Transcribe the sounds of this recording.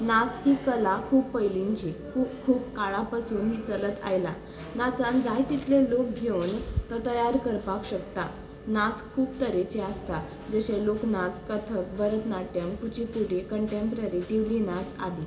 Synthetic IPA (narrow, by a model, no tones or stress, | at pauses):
nat͡shiːkəlakʰuːppəjliɲt͡ɕikʰuːkʰuːbkaɭapasuːnɦit͡sələt̪a̰jla | nat͡sãnd͡zajt̪it̪ʰlelok̚bʱjont̪ət̪əjaɾkəɾpakɕəkt̪a | nat͡skʰuːbt̪əɾet͡ɕeast̪a | d͡zəɕẽloknat͡skət̪ʰək̚bəɾət̪naʈjəmkut͡ɕipuɽ̤ekəɳʈempɾaɾiʈ̪iʋlinat͡sad̪i